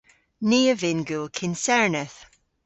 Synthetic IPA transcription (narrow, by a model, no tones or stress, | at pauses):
niːəvɪnɡulˠkʰɪnsɛɹnəθ